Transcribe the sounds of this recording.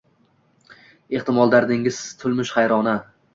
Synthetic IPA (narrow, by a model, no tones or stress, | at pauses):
e̞χt̪ɪmɒlˠd̪aɾd̪ɪŋɪzt̪ʰʊlˠmɪʃχɑjɾɒna